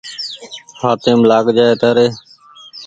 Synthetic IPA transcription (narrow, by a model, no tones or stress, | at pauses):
haːt̪eːmlaːɠd͡ʒaːeːt̪əɾeː